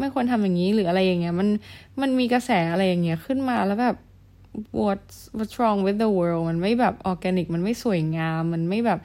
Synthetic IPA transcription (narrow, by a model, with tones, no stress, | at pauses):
ma˥˩jkʰo˧nt̪ʰa˧mjaː˨˩ŋːiː˦˥ɾɯː˩˦ʔa˧ɾa˧jːa˨˩ŋːi˦˥ɐma˧n | ma˧nmiː˧ka˧sɛː˩˦ʔa˧ɾa˧jːa˨˩ŋːi˦˥ɐkʰɯ˥˩nmaː˧lɛː˦˥wbɛː˨˩p̚ | wu˧˩t̪̚wo˧˥˩t̪̚sʰɾɔː˧ŋwi˧˦˥də˧wɤː˧lma˧nma˥˩jbɛː˨˩p̚ʔɔː˧kɛː˧ni˨˩k̚ma˧nma˥˩jsu˨˩ə˦jŋaː˧mːa˧nma˥˩jbɛː˨˩p̚